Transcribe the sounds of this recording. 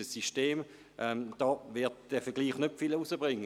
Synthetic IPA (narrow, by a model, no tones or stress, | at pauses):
əsiʃteːm | ʔɛmd̥ɑːvɪɐtd̥ɛfəɐɡ̥liːχnøpfilusəbʁɪŋːə